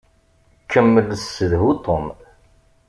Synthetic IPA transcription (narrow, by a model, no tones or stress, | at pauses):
kʰːəmːəlsːəðɦut̪ʰˤom